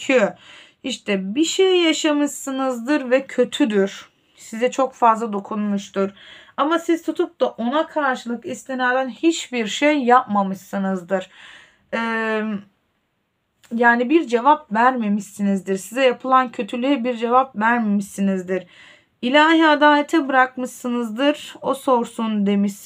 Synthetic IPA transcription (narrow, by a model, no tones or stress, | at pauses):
cʰø | iʃt̪ʰɛbiʃejjaʃamɯʃsɯnɯzd̪ɯɾvɛcʰø̞t̪ʰyd̪yɾ̥ | sizɛt͡ʃʰo̞kfazlˠad̪o̞kʰunmuʃt̪ʰuɾamasizt̪ʰut̪ʰup̚d̪aʔo̞nakʰaɾʃɯlˠɯkist̪ʲenaɾd̪ænhit͡ʃbiɾʃejːapmamɯʃsɯnɯzd̪ɯɾ̥ | ɛː | jaːnibiɾd͡ʒe̞vapvæɾme̞miʃsinizd̪iɾsizɛjapʰɯlˠancʰø̞t̪ʰylʲyjɛbiɾd͡ʒe̞vapvæɾme̞miʃinizd̪iɾ̥ | ilʲaːɦiad̪aːlʲɛt̪ʰɛbɯɾak̚mɯʃsɯnɯzd̪ɯɾ̥o̞so̞ɾsund̪e̞miʃ